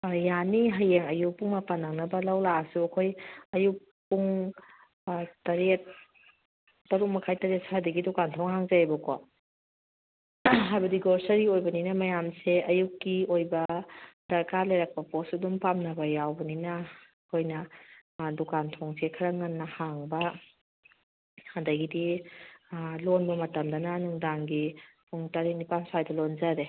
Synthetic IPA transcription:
janiɦajeŋɐjuk̚puŋmɐpanːaŋnɐbɐlɐwlaɐsuɐkʰojɐjuk̚ | pːuŋ | tɐɾet̚ | tːɐɾuk̚mɐkʰajtɐɾet̚sajdɐɡidukantʰɔŋhaŋzaajbɐko | ɦajbɐdiɡoɾsɐɾiojbɐninɐmɐjamseɐjukːiojbɐd̥ɐɾkalajɾak̚pɐpɔsɐdumpamnɐbɐjawbɐninɐ | kʰojnɐ | dukantʰɔŋsekʰɐɾɐŋːanːɐhaŋbɐ | handɐjɡidi | lonbɐmɐtɐmdɐnɐnuŋdaŋɡipʰuŋtaɾenipansajdɐlonzaɾe

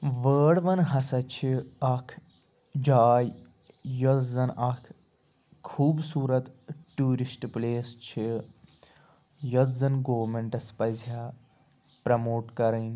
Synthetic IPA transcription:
ʋəːɽʋɐnɦɐsɐt͡ʃʰiɐkʰ | d͡ʒaːj | jozzɐnɐkʰ | kʰːuːbsuːɾɐt̪ʈuːɾisʈpleːst͡ʃʰi | jozd̪ɐnɡoːmeɳʈɐspɐzʱjaː | pɾɐmoːʈkɐɾɐn

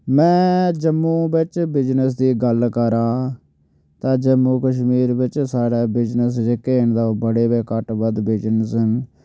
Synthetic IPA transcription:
mɛ̃ːd͡ʒəmːũːbɪt͡ʃbɪd͡ʒnəsd̪iːɡəlkəɾãː | t̪ãːd͡ʒəmːũːkəʃ̬miːɾbɪt͡ʃsaːɽɛːbɪd͡ʒnəsd͡ʒeːkeːnd̪abəɽeːbeːkəʈbəd̪bɪd͡ʒnəsən

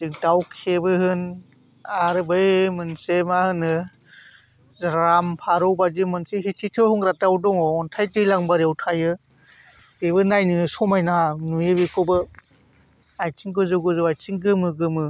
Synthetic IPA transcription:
dɯŋtawkʰebɯhɯn | aɾɯbɯjmɯnsemahɯnɯ | zɾampʰaɾɔwbad͡ʒimɯnseɦetʰitʰɯhuŋɾatawdɔŋɔːntʰajtɯjlaŋbaɾewtʰajɯ | debɯnajnɯsɔmajnanuebikʰɔbɯ | ajt͡ʃʰiŋkɯzɯɡɯzɯwajt͡ʃiŋɡɯmɯɡɯmɯ

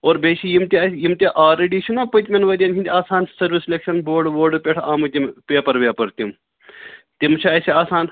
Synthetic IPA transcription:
oːɾbeːt͡ʃʰijimt̪iɐjimt̪ʲiʔaːɾɐɖiːʃʰunapɐt̪ʲmʲɐnʋɐd̪ʲjɐːnt͡ʃʰint̪iaːsaːnsɐɾʋislʲekʃɐnboːɾɖboːɖɨpʲeʈʰaːmut̪impeːpɐɾʋʲaːpɐɾt̪ʲim | t̪imt͡ʃʰiɐsʲiaːsaːn

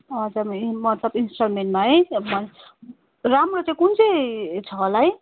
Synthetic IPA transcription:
ʌd͡zammʌt̪lʌbinsʈʌrmeɳʈmaɦʌjmʌn | ramrot͡saĩkunt͡set͡sʰʌlaɦʌj

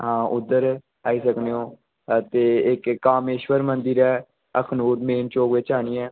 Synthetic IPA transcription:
ɦãːʔʊd̪ːəɾ | aːiːsəkneːõː | t̪eːɪkːaːmeːʃwəɾmənd̪ɪɾɛː | əkʰnuːɾmeːnt͡ʃoːkʋɪt͡ʃaːniːɛː

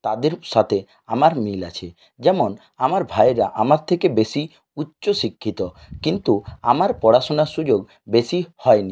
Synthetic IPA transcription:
t̪ad̪eɾʃat̪ʰe | a̰maɾmila̰t͡ɕʰe | d͡ʑɛmon | amaɾbʱajɾaʔamaɾt̪ʰekebeʃi | utːɕoʃikʰːit̪o | kint̪ua̰maɾpɔɽaʃonaʃud͡ʑoɡ | beʃihɔeni

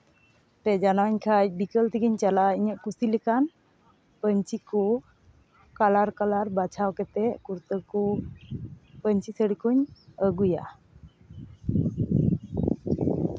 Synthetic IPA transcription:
pɛd͡ʒanaɲkʰajbikəlt̪iɡiɲt͡ʃalaiɲəʔkusilɛkan | pəɲt͡ʃiku | kalaɾkalaɾbat͡ʃʰawkɛt̪ɛʔkuɾt̪əɾku | pəɲt͡ʃisəɽikuɲəɡuja̰

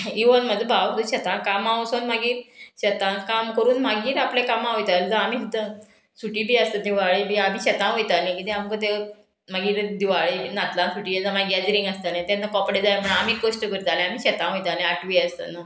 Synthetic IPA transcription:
iʋənmad͡zəbʱawd̪uɕət̪ãkamaʋosonmaɡiːɾɕət̪ãkamkəɾuːnmaɡiːɾaplẽkamãɦojt̪ald͡zəam̤iːɦit̪ə | suʈiːbiːəst̪əd̪iʋaɭibiam̤iːɕət̪ãɦojt̪anekit̪ɛ̃amkət̪̬e | maɡiːɾd̪iʋaɭiːnat̪lãnsuʈiːjed͡zamaɡad͡ziɾĩŋɡəst̪anãt̪ãnt͡sakɔpɽed͡zajapʰəɳamikɡoʂʈəkəɾd͡z̪alẽam̤iːɕət̪ãɦojt̪anẽaʈʰʋiəst̪ənə

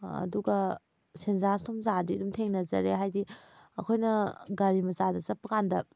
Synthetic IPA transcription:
ɐ̰duɡɐ | senzastʰomzadiɐdumtʰeŋnɐzɐɾeɦajdiɐkʰojnɐɡaɾimɐzadɐzɐpːɐkandɐ

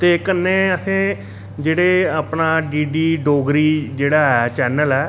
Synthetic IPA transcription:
t̪eːkːənːeːəsʰẽː | d͡ʒeːɽeːaːpnaːɖiːɖiːɖoːɡɾiːd͡ʒeːɽaːɛːt͡ʃɛːnəlɛː

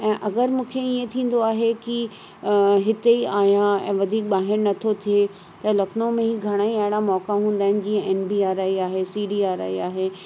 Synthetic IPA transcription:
ɛ̃ːʔɐɡəɾmũːkʰeiẽt̪ʰĩːn̆d̪oaːɦeki | ɦɪt̪eiaːɦjãɛ̰̃ːʋɐd̪ʱiːk̚ɓaːɦɪɾnɐt̪ʰot̪ʰie | t̪ɐlɐknõmẽɦiɡʱɐɽ̃aːiɐɦɪɽ̃amɔːkaɦũːnd̪aːɪnɪ̆d͡ʑiːɐ̃ʔeːnbiːaːɾaːiaːɦesiːɖiːaːɾa̰ːiaːɦeː

